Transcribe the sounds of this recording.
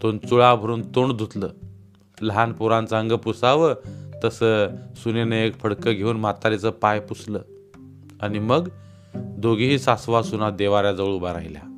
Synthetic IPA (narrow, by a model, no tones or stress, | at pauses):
t̪ont͡suɭabʱəɾuːnt̪oɳd̪ʱut̪ləː | ləɦanpuɾãnt͡saəŋɡəpusaʋət̪əsəsunenəekfʰəɽkəɡʱeuːnmat̪aɾit͡səpajpusləː | animəɡ | d̪ʱoɡiɦiːsasʋasunad̪eʋaɾjad͡zəɭubaɾa̰jlja̰